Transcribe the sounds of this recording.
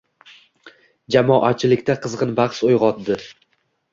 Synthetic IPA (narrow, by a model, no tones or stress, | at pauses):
d͡ʒamɒʔat͡ʃʰɪlɪkʲt̪ʰaqʰɨzʁɨnbɑχsojʁɒt̪̚d̪ɪ